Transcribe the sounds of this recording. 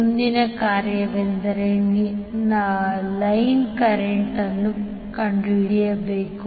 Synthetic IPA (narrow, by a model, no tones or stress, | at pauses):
und̪inɐkaːɾjɐʋend̪ɐɾeninɐlɐjnkɐɾeɳʈɐnːu | kɐɳɖɾiːjɐbeːku